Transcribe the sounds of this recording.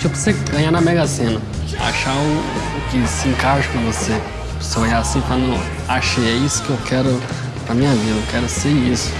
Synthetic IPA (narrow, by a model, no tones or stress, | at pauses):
t͡ʃipʊseɡɐ̃ɲanɐmɛɡɐsẽnɐ | a̰ʃaʊː | kɪsɪĩkaʒɐkõvose | poseoʎasĩpɾanɐ̃w̃ | aʃejɛisʊ̥kɪewkʰɛɾʊ | pɾɐmĩɲɐvid̪ekɛɾʊseisʊ̥